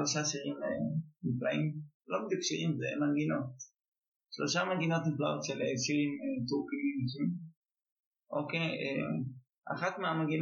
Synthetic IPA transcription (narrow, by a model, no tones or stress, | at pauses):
lo̞ʃaʃiʁimeniflaim | lo̞bid̪jukʃiimzemanɡino̞t̪ | ʃlo̞ʃamanɡino̞t̪niflaʔo̞t̪ʃeleʃiʁimet̪uʁkimimiʃim | ʔo̰kejḛ | ʔa̰χat̪meamaɡin